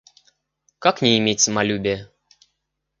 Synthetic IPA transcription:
kaknʲeːmʲet̚ʲsəmalʲubʲe

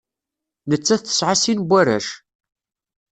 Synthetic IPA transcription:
nət͡sːæθθə̥sʕasinbʷːæɾæ̰ʃ

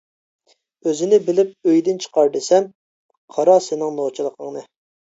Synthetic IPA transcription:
øzɪnɪbɪlɪp̚øjd̪ɪnt͡ʃʰə̥qɑɾd̪esɛn | qʰɑɾɑsenɪŋnot͡ʃʰilˠəqʰəŋnɨ

